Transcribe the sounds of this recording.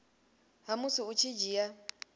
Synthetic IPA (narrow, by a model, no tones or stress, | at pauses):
ɦamusiut͡ʃʰid͡ʒija